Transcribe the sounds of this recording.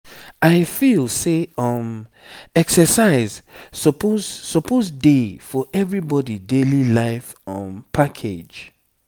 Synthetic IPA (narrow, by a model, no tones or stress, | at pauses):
aɪfilseɔm | ɛksəsaɪzsɔpozsɔpozdefɔʔɛvɹibɔdidelilaɪf | ɔ̃npʰakʰed͡ʒ